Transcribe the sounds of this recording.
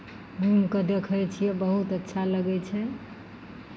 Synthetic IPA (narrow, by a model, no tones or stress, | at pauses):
ɡʱumkəd̪ekʰəjt͡ʃʰijɛbəɦut̪ətːʃʰaləɡɛt͡ʃʰɛ